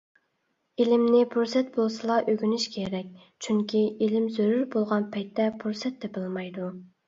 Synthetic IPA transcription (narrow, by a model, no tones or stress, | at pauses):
ilɪmnɪpʰuɾsɛt̪̚bolˠsɨlˠɑʔøɡʲynyʃkʲʰeɾɛk̚ʲ | t͡ʃʰyŋkʲʰiilɪmzøɾyɾbolˠʁɑnpʰɛjt̪ːɛpʰuɾsɛt̪ʰːɛbɨlˠmɑjd̪u